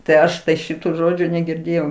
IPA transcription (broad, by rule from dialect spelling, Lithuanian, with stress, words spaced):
tɐɪ ˈɐʃ ˈʃʲɪtuː ˈʒoːd͡ʒʲuː nʲɛɡʲɪrʲˈdʲeːjɛʊ